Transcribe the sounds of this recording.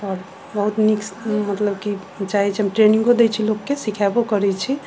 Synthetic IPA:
ɔːɾ | bəɦut̪niksmət̪ləbki | t͡ʃaɦit͡ʃʰiɦəmʈɾenĩŋɡkod̪et͡ʃʰilokːesikʰabokəɾɛt͡ʃʰi

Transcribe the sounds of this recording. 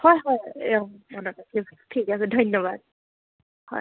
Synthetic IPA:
hɔjɦɔjmɔnɔkakʰitʰikasɛdʱɔjnːɔbad̚ | hɔ̰j

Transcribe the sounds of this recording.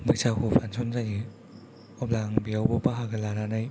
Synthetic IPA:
bɯsakupʰansʰɔnzaji | ɔplaŋbiawbɔpaɦaɡɯlaɾanɯj

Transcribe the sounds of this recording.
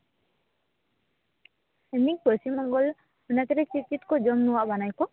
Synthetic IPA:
emik̚bɔsimɔŋɡɔl | unat̪ɛɾɛt͡ʃit͡ʃit̪kɔd͡ʒɔmnuwaʔbanajkɔ

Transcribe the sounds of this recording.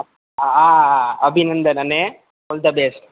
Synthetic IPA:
aaːɐbʱinɐnd̪ɐnɐne | old̪ɐbeːsʈ

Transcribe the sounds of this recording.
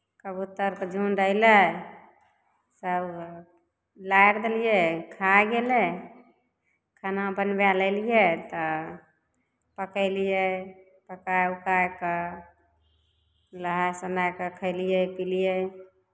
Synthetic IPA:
kəbut̪ːəɾkd͡ʒʱunɾəɦilə | səb | lajɾd̪elijekʰajɡelɛ | kʰanabənbaləlijet̪ɔ | pəkəɪlijɛ | pəkaukajkə | ləɦasənajkəkʰəɪlijəpilijɛ

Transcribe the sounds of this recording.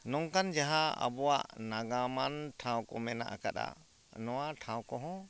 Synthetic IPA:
nɔŋkand͡ʒaɦaa̰bɔwaʔnaɡamanʈʰãw̃kɔmɛna̰ʔkaɗa̰ | nɔwaʈʰãw̃kɔɦɔ̃

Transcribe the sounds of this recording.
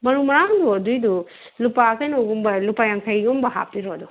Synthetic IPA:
bɐɾumɐɾaduɐdujdu | lupakɐjnoɡumbɐlupajɐŋkʰɐjɡumbɐɦa̰piɾodu

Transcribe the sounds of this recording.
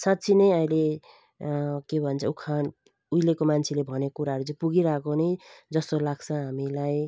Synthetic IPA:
sãtt͡sʰinʌjʌile | kebʱʌnt͡sʰʌukʰan | ujlekomant͡sʰilebʱʌnekuɾaɦɾud͡zũpuɡiɾakonʌjd͡zʌst̪olaɡt͡sʰʌ̃ɦamilaj

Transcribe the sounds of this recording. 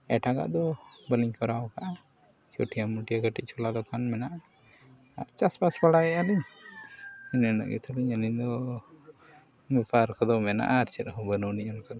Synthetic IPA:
ɛ̰ʈaɡa̰ʔd̪ɔbəliɲkɔɾawkaʔa | t͡ʃoʈʰijamːuʈijaɡəʈic̚t͡ʃʰɔlad̪ɔkʰanmɛnaʔa | a̰ɾt͡ʃaspaspaɽaɛaliɲ | inɛnə̰ʔjṵt̪ʰaliɲəliɲd̪ɔ | mɛpʰaɾkʰɔd̪ɔmɛna̰ʔaːɾt͡ʃɛɾɦubənɔniɲankʰɔd̪ɔ

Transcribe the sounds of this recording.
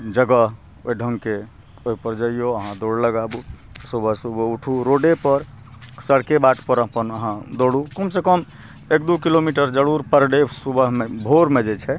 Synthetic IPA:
d͡ʒəɡəɦ | oiɖʱəŋɡke | oɦipəɾd͡ʒəijoəɦãd̪oɽləɡabusubʱəɦsubəuʈʰuɾoɖepəɾ | səɽkebaʈʰpəɾəpənəɦãd̪oɽukəmsekəm | ek̚d̪ukilomiʈəɾd͡ʒəɽuɾpəɾɖesubəɦmebʱoɾmed͡ʒɛt͡ʃʰɛ

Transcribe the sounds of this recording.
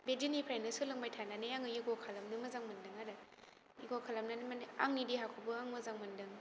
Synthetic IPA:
bedinipʰɾajnɯsulɯŋbajtʰananɯjaŋɯjiɡɔkʰalamnɯmɯzaŋmɐndɯŋaɾɯ | iɡɔkʰalamnanɯmana̰ŋnidiɦakʰɔbɯaŋmɯzaŋmɐndɯŋ

